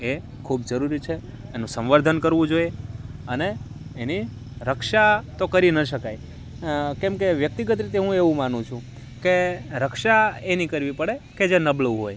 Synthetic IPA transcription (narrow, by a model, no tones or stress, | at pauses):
e | kʰubd͡ʒəɾuɾit͡ʃʰeː | nũsə̃mʋəɾd̪ʱənkəɾʋũd͡ʒojeəneː | ni | ɾəkʃat̪okəɾinəʃəkaj | kɛ̃mkeʋjək̚t̪iɡət̪ɾit̪eɦũeʋũmanũt͡ʃʰũ | keɾəkʃaenikəɾʋipəɽeked͡ʒenəbləɦoj